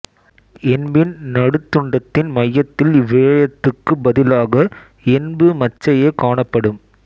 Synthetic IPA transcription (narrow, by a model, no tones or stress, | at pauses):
ɛnbɪnnɐɽɯt̪ːɯɳɖɐt̪ːɪnmɐjːɐt̪ːɪlʋːeːjɐt̪ːɯkːɯbɐðɪlaːɣɐ | ɛnbɯmɐt͡ʃːɐjeːkaːɳɐpːɐɽɯm